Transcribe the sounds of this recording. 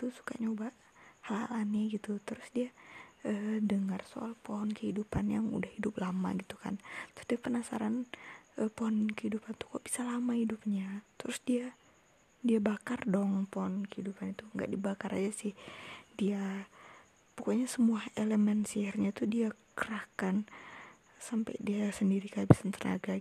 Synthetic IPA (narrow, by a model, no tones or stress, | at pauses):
t̪usu̥ka̰ɲaubaʔ | halha̰laniɡit̪ut̪əɾʊsdiaəːdəŋarso̰a̰lpoɦɔnkəhidupanjaŋṵdahidʊp̚lama̰ɡit̪u̥ka̰nt̪ɾʊ̥sdiapənasa̰ɾanʔəpohɔnkəhidupant̪u̥kaʔb̥i̥salamahidup̚ɲat̪əɾʊsdia | diabakardɔŋpɔhɔnkəhidupanit̪uŋɡa̰ʔdibakaɾad͡ʒasɪhdia | pukaɲasəmuaheləmɛnsihɛrɲat̪udiakəɾahkan | sampa̰jdiasəndiɾikabisant̪əna̰ɡa